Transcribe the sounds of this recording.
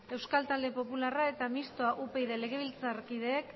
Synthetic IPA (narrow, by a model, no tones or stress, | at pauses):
e̞wskalt̪ald̪e̞po̞pularae̞t̪amist̪oaʔupe̞jðele̞ɣ̞e̞β̞ilt͡sarkið̞e̞ːk